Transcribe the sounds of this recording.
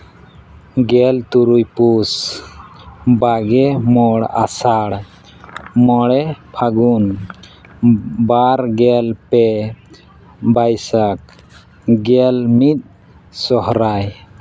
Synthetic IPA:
ɡɛlt̪uɾujpus | baɡɛmɔɽasaɽ | mɔɽɛpʰaɡun | baɾɡɛlpɛ | bajsak̚ | ɡɛlmit̪̚ | sɔɦɾaj

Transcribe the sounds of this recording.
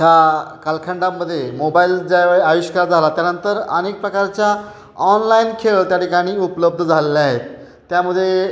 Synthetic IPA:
ɦakalkʰaɳɖaməd̪ʱːjemobaild͡ʑajʋəeaʋiɕkaɾd͡zʱalat̪janənt̪əɾə̰nek̚pɾəkaɾt͡ɕja | ɔnlainkʰeɭt̪jaʈikaɽ̃iːupləb̚d̪ʱd͡zʱalelaɦet̪ː | jaməd̪ʱːje

